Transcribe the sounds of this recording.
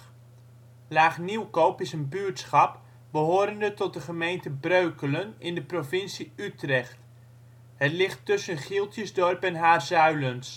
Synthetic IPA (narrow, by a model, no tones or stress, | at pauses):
laːχniwkowpɪsənbyɹtsχɑp | bəɦoːɾəndətɔt̚dəχəmejntəbrøɥkələnɪndəprovɪnsiytrɛχt | ɦətlɪχtːɵsənχɪlˠtjəzdɔrpɛnɦaːrzœɥləns